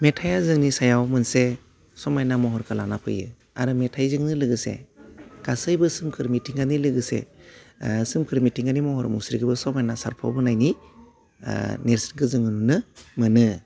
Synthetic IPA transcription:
metʰajazɯŋnisajawmɯnse | sɔmajnamɔɦɔɾkʰalanapʰɯ̰jɯ̰ | a̰ɾɯmetʰajzɯŋnɯlɯɡɯsḛɡ̥asɯjbɯsɯmkʰɯɾmitʰiŋɡanilɯɡɯsḛ | sɯmkʰɯɾmitʰiŋɡanimɔhɔɾmusɾiɡɯbɯsɔmajnasa̰ɾpʰɔ̰bɯnajnḭ | neɾsɾɡɯzɯŋɯnunɯmɯnɯ

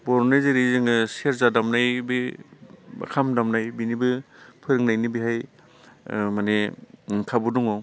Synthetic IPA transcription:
bɔɾnajzɯɾizɯŋɯseɾzadamnajbɯ | ba̰kʰamdamnajbinibɯpʰɯɾɯŋnajnibiɦaj | manekʰabuduŋɔ

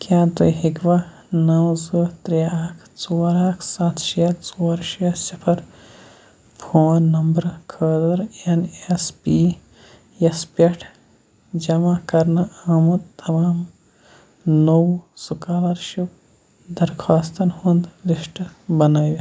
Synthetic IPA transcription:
kaːt̪ujɦikʋa | nɐwzɨt̪ɾiaːkʰt͡soːɾaːkʰsat̪ʰʃiɐt̪t͡soːɐɾʃɐsipʰɐɾ | pʰoːnːɐmbɾkʰəːd̪ɐɾenespi | espeʈʰ | d͡ʒɐmakɐɾnɐamɐd̪t̪ɐmaːm | nowsukaːlɐɾʃuw | d̪ɐɾkʰaːst̪ɐnhund̪liʃʈbɐnaːjʲi

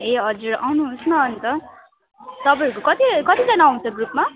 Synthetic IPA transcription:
eɦʌd͡zuɾawnuɦːsmaʌnt̪ʌ | t̪ʌpʌʌɾkokʌt̪ikʌt̪id͡zʌnaːɦũnt͡sʰʌɡrup̚ma

